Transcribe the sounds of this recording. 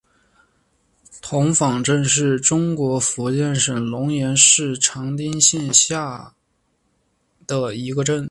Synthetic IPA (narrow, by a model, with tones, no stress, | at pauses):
t̪ʰʊ˧˥ŋfɑ˨˩ŋʈ͡ʂə˥˧nʂɻ̩˥˩ʈ͡ʂʊ˥ŋkwɔ˧˥fu˧˥t͡ɕjɛ˥˩nʂə˨˩nlʊ˧˥ŋjɛ˧˥nʂɻ̩˥˩ʈ͡ʂʰɑ˧˥ŋt̪i˥ŋɕɛ˥˧nɕja˥˩ | d̪̥ə˩i˧˥ɡə˧ʈ͡ʂə˥˩n